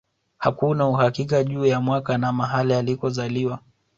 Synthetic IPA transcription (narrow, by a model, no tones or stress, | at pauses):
ha̰kunauhakikaʄuːjamwakanamaɦalialikɔzaliwa